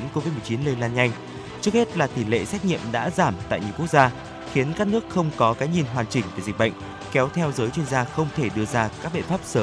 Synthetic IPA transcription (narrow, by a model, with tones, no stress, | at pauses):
nko˧vi˦˥t̚m˨˩t͡ɕi˨˦nləː˧jlaː˧nɲa˧jŋ̟ | t͡ɕɨ˦˥ək̚he˦˥t̚laː˨˩t̪i˧˩lḛ˧˨sɛ˦˥jk̚ɲḭ˧˨əmɗa̰ː˧˥zaː˧˩mt̪a̰ː˧˨jɲi˨˩əwku˦˥ək̚zaː˧ | xi˨˦ənkaː˦˥k̚nɨ˦˥ək̚xə˧wŋ͡mkɔ˨˦kaː˨˦jɲi˨˩nɦwaː˨˩nt͡ɕï˨˩ŋ̟ve˨˧˩zï˨˩k̟̚ɓə̰˧˨ŋ̟ | kɛ˨˦wt̪ʰɛ˧wzəː˨˦jt͡ɕwi˧ənzaː˧xə˧wŋ͡mt̪ʰe˧˩ɗɨ˧əzaː˧kaː˦˥k̚ɓḭ˧˨nfaː˦˥p̚səː˨˦m